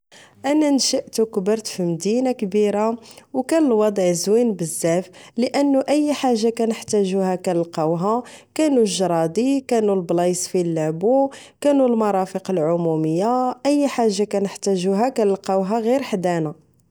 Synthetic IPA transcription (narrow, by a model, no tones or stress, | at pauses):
ʔænænʃəʔt̪ukbəɾˤt̪fimd̪inakbiɾawkænəlwɑd̪ˤʕzwinbəzːæfləʔənːuʔəjːħaʒːakænəħt̪æʒuhækænəlqɑwɦakænulʒɾˤɑd̪ˤikænulblɑjsˤfilːæbu | kænulmɑɾˤɑfəqəlʕʊmuməjːaʔəjːħaʒːakænəħt̪æʒuɦækænəlqɑwɦæɣiɾħd̪æna